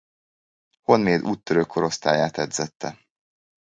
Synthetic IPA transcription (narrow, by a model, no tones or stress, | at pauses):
ho̞nmeːd̪uːt̪ːøɾøːkʰo̞ɾo̞st̪a̰ːjaːt̪ɛd̪z̥ɛt̪ːɛ